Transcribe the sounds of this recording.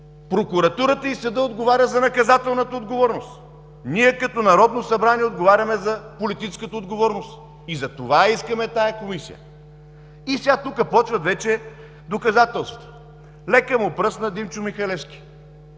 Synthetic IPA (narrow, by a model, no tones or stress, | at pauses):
pɾokuɾɐt̪uɾət̪əisɐd̪əod̪ɡovaɾʲəzɐnɐkɐzat̪ɛlˠnət̪əod̪ɡovɔɾnost̪ | niɛkɐt̪ɔnɐɾɔd̪nosɐbɾaniɛod̪ɡovaɾʲɐmɛzɐpolit̪it͡ʃskət̪əod̪ɡovɔɾnost̪ | izɐt̪ovaiskɐmɛt̪ajɐkomisḭjə̰ | isɛat̪ukəpɔt͡ʃvɐt̪vɛt͡ʃɛ | d̪okɐzat̪ɛlˠst̪vo̥t̪o̥ | lɛkəmopɾɤsnɐd̪imt͡ʃʊmixɐlɛskʲi̥